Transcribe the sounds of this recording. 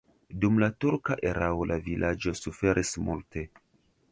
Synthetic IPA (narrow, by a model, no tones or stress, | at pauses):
dumlatuɾkaʔeɾʔaolʔavilʔad͡ʒo̞sufe̞ɾʔismultʰe̞